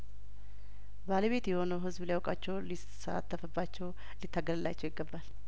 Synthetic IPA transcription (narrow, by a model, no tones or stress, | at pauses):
baləβe̞t̪jɛho̞nəwɦɨzbliawkʼat͡ʃːɛwli | saa̰t̪ʰːəfəbːat͡ʃːɛw | lɪt̪ʰːaɡəlɨla̰t͡ʃːɛwɪɡːəbːal